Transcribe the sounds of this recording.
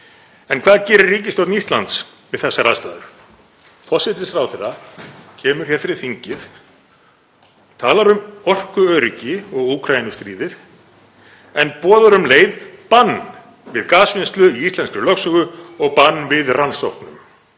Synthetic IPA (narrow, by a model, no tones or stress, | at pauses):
ɛnkʰv̥aːðcɛːɾɪɾrːiːcɪst̪owt̪nist̪lant̪svɪðθɛsːaɾaðst̪aːðʏɾ̥ | fɔsɪt̪ɪsɾawθɛrːacʰɛːmʏɾ̥çɛːɾ̥fɪɾɪɾ̥θiɲcɪð | t̪ʰaːlaɾʏmɔr̥kʏœːɾicɪɔɣuːkʰɾajinʏst̪ɾiːðɪð | ɛnpɔːðaɾʏmleːjðpanː | vɪðkaːsvɪnst̪lʏiist̪ɛnsklʏlœxsʏɣʏɔɣpanːvɪðransɔhk̪nʏm